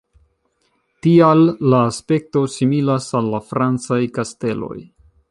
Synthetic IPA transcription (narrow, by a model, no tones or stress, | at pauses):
tialːaːspe̞k̚to̞similasalːafɾant͡sajkaste̞lo̞̰j